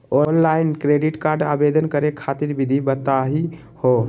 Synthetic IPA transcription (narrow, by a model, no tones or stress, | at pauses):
onlainkɾeɖiʈkaɾɖa̰bed̪ənkəɾekʰat̪iɾbid̪ʱibət̪aɦi | ho